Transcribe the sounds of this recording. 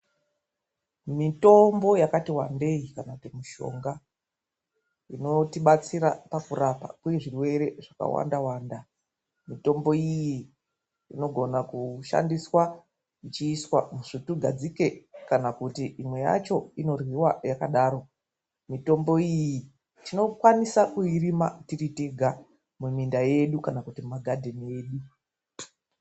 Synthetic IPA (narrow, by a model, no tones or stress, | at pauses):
mito̞mbo̞jakatiwande̞ikanakutimuʃo̞̰ŋɡa | ino̞tiɓat͡siɾapakurapa̰kwujeʐirwe̞ɾe̞ʐaka̰wa̰ndawaːnda | mito̞mbo̞iji | ino̞ɡʱo̞nakuʃa̰ndiswa | it͡ʃiːswamuʐituɡʱad͡zike̞kanakutiʔimwe̞ja̰t͡ʃo̞ino̞rwiwajakaɗaːɾo̞ | mito̞mbo̞ijji | tino̞kwanisakuirima̰tiritiɡʱa | mumindaje̞ɗukanakutimmaɡʱadʱenie̞ːɗu